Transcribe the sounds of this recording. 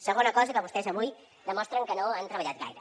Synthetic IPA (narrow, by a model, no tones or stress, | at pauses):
səɣonakɔzɐkaβust̪esamuj | d̪əmɔst̪ɾɐŋkənõŋant̪ɾɐβaʎat̪̚ɣa̰jɾɐ